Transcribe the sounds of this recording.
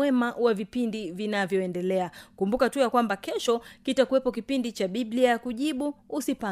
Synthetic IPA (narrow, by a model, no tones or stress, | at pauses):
ɛmawavipindivinavjɔɛndɛlɛakumbukatujakwambakɛʃɔkitakuwɛpɔkipindit͡ʃaɓiɓliajakuʄiɓuːsipa